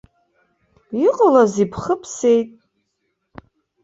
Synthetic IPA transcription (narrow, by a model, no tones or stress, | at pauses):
iqʼalazipʰχəpʰse̞jtʼ